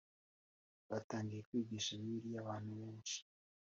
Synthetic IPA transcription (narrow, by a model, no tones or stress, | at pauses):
βataːŋɡijekwiːɟiʃaβiiɾijaβaːn̥huβeːnʃi̥